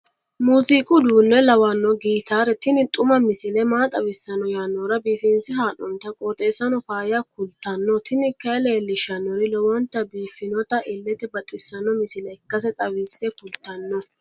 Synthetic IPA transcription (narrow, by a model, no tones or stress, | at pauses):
muːzikʼʊd̪uːnːɛlɐwɐnːɔɡiːt̪aːɾɛt̪ɪnɪt̪ʼʊmɐmɪsɪlɛmaːt̪ʼɐwɪsːɐnɔjaːnːɔɾɐbiːfɪnsɪɦaːnɔnt̪ɐkʼoːt̪ʼeːsɐnɔfaːjɐkʊlt̪ːɐnːɔt̪ɪnɪkːɐleːlːɪʃɐnːɔnɪlɔwɔnt̪ːɐbiːfɪnɔt̪ɐʔɪlːɛt̪ɪbɐt̪ʼːɪsːɐnːɔmɪsɪlɛkːɐs̬ɛt̪ʼɐwɪsːɛkʊlt̪ːɐnːɔ